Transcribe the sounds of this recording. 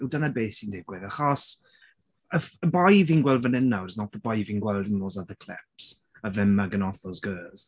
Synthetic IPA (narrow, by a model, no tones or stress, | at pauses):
udanabeːsindɪɡwɪðaχɔs | əfəbajvinɡwɛlˠdvənɛnaɾsnɔtəbajviŋɡwɛlˠdɪnlɔzaðəkʰl̥ɪ̰ps | əvɛmaɡənɔθɔzɡɜːlˠz̥